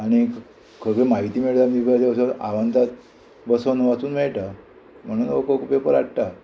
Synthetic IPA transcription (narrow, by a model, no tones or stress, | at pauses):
aɽ̃i | kʰəɡemaɦit̪iːmeɭt̪amipasaəsəa̰ʋant̪at̪̚ | bəsonoʋat͡suːnmɛɭʈa | m̤əɽ̃uːnokokupepəɾaɽʈ̪a